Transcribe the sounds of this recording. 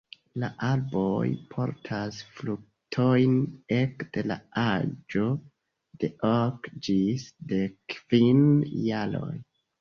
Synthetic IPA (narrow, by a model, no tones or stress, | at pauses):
laʔalbo̞jpʰo̞̰ɾtʰasfluk̚ | tʰo̞jne̞kd̥e̞la̰ad͡ʒo̞ | de̞ʔokd͡ʒisdekv̥injalo̞̰j